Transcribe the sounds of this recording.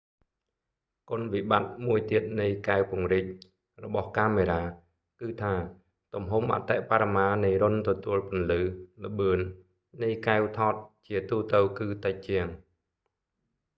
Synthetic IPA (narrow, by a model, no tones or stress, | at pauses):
kŏənʋiɓat̪̚muəjt̪iət̪̚nɨjkaɛwpŭəŋric̚ | rɔɓɑhkaːmeːɾaː | kɨːt̪ʰaː | t̪umɦumʔa̰t̪ɛʔpaɾamaːnɨjrʊnt̪ɔt̪uəlpʊ̆ənlɨːlə̆ɓɨənː | ɨjkaɛwt̪ʰɑːt̪̚t͡ɕiət̪uːt̪ɨwkɨːt̪əc̚t͡ɕiəŋ